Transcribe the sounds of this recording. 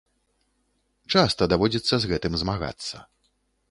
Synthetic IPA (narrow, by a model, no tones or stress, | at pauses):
t͡ʂast̪ɐd̪avɔd͡zʲit̪sːɐzɣɛt̪ɨmzmaɣa̰t̪sːɐ̰